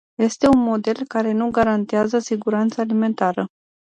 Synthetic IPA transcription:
je̞st̪e̞unmo̞d̪e̞lkaɾe̞nuɡaɾant̪eazəsiɡuɾant̪salime̞nt̪aɾə

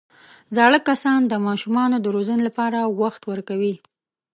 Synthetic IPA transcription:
zɑɽəkːasɑnd̪əmɑʃumɑnod̪əɾozənelapɑɾawaxt̪wəɾkawi

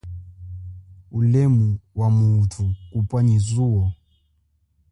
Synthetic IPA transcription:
ulɛmuwamuːtʰukupʼwaɲizuɔ

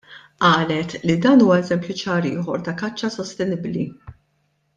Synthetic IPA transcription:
ʔɐːlɛt̪lid̪ɐːnuːwɐɛzɛmpjut͡ʃɐːɾɪːħɔɾt̪ɐkɐt͡ʃːɐsɔst̪ɛnɪbli

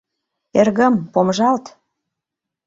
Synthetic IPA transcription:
erɣə̆mpomʒɑlt̪

